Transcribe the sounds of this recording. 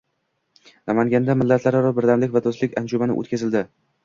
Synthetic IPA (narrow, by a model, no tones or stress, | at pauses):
namaŋɡʲand̪amɪlːat̪ʰlaɾɪɾɒbɪɾd̪amlɪkʲvad̪ʰɒslɪkʲand͡ʒʊmanɪ̰ʔo̰t̪̚kʲazɪld̪ɪ